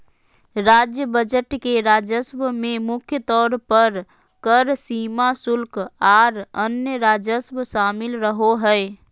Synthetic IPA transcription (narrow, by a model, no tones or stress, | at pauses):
ɾaːd͡ʒjəbəd͡ʒəʈkeɾaːd͡ʒəsbmẽmʊkʰjət̪ɔːɾpəɾ | kəɾsiːmasʊlkaːɾənjəɾaːd͡ʒəsbʃaːmɪlɾəɦoɦɛɛ